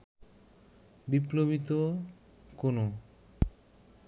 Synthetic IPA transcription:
biplobit̪o | kono

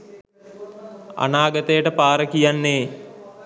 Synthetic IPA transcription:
a̰naːɡət̪əjəʈəpaːɾəkijanːeː

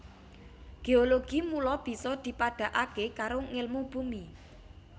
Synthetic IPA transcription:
ɡ̥eoloɡ̥imulɔb̥i̤sɔd̪̥i̤paɖ̥a̤ʔakekaɾoŋɪlmub̥umi

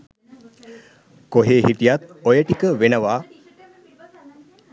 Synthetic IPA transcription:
koɦeːɦiʈijɐt̪ojɐʈikəʋenɐʋaː

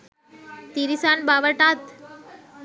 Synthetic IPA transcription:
t̪iɾisanbaʋəʈat̪

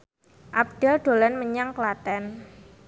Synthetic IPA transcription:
ʔap̚d̥ɛlɖ̪̥o̤lanməɲaŋklat̪ɛn

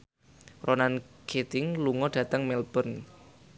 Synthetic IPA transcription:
rʔonankʰet̪ɪŋluŋɔɖ̥ä̤t̪əŋmɛlb̥ən

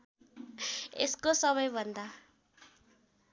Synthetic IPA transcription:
ḛskosʌβʌjbʱənd̪a

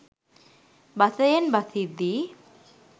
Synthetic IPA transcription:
baθəjənbaθʰid̪i

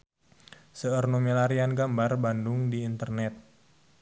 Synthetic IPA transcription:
səərnomelaɾianɡambarbandʊŋdiːnt̪ərnɛt̪̚

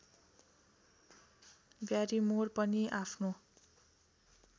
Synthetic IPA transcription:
bjaɾimorpʌniʔapʰno

